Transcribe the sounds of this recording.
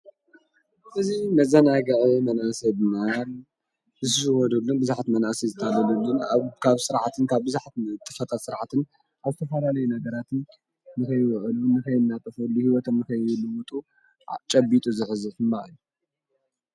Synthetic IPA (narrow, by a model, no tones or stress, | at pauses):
ʔɨzimɐzɐnaɡɐʕimɐnasɐbnal | zɨsɨʃɨwɔd̪ulːunbɨzaħt̪mɐnʔasizɨt̪ʰːalɐlulːunakʰaβsɨɾʕat̪ʰɨnkʰaβbɨzaħt̪t̪ʼːɨfɐt̪ʰat̪sɨɾʕat̪ʰɨn | ʔaβzɨt̪ʰɐfɐlalɐjunɐɡɐɾat̪ɨn | nɨkɐjwɨʔlunɨkɐjnːat̪ʼɨfɐlːuhiwɔt̪ʰomːɨkɐjulɨwʊt̪ʼu | t͡ʃʼɐbit̪ʼuzɨħɨzɨħɨmbaʔɨju